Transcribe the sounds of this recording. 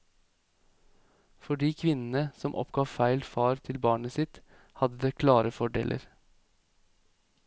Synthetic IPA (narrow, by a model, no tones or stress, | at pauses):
fɔɖiːkʰʋɪnn̩əsɔmʔɔ̰pɡ̥ɑːfæɪlfɑːɾt̪ʰɪlbɑːɳəsɪt̪ | hɑd̪əd̪eːkʰlɑːɾəfɔɖḛːlʔə̰ɾ